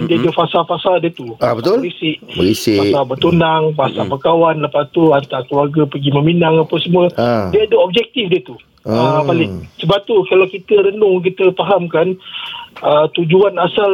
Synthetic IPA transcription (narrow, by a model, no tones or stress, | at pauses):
diadəfasalfasaldiət̪uəaɾisɪʔ̚isaalbət̪unaŋpasabakawanləpat̪uant̪akəluarɡapəɡimə̃minaŋapasəmũədiəadəɔb̚d͡ʒɛk̚t̪ifdiət̪u | əpalɪŋsəbap̚t̪ukalawkit̪əɾənʊŋk̬it̪əpaɦamkan | ət̪ud͡ʒuanasal